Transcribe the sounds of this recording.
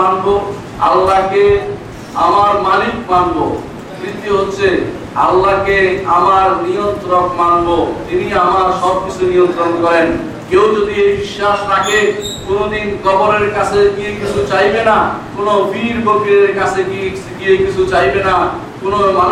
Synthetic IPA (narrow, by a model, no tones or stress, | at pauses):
anbo | alːake | amaɾmalikmanbo | mɾit̪ːiɦotːɕʰe | a̰lːakeamaɾnijont̪ɾokmanbot̪iniamaɾʃɔb̚kit͡ɕʰunijont̪ɾonkɔɾen | kewd͡ʑod̪iejbiʃːaʃt̪ʰake | konod̪inkɔboɾeɾkat͡ɕʰeɡiekit͡ɕʰut͡ɕajbenakonobiɾbokiɾeɾkat͡ɕʰeɡie | ɡiekit͡ɕʰut͡ɕajbena | konoma